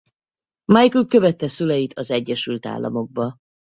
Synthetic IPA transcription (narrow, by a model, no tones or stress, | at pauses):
mɒjkulkø̞vɛt̪ːɛsylɛjit̪ʰɒzɛɟːɛʃylt̪a̰ːlːɒ̰mo̞ɡ̚bɒ